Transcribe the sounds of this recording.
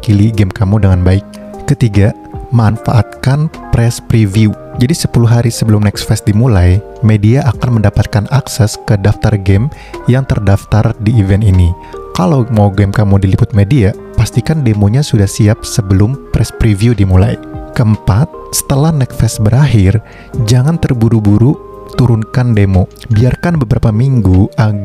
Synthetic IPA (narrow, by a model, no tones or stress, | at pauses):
kiliɡɛmkamudəŋanbaɪk̚ː | ət̪iɡa | manfa̰ʔat̪̚kanpɾɛspɾiviu | d͡ʒadisə̥puluɦaɾisəbəlʊmnɛksfɛsdimulaj | mediaʔakanməndapat̪̚kanʔaksɛskədaft̪arɡɛm | jaŋt̪ərdaft̪ardiːvɛnt̪ini | kalawmawɡɛmkamudilipʊt̪̚media | past̪ikandemoɲasudahsiap̚səbəlʊmpɾɛspɾiviudimula̰jkəəmpat̪̚sə̥t̪əlahnɛk̚fɛsbəɾaɦɪr | d͡ʒaŋant̪ərbuɾubuɾu | t̪uɾʊnkandemobiarkanbəbəɾapamiŋɡuʔa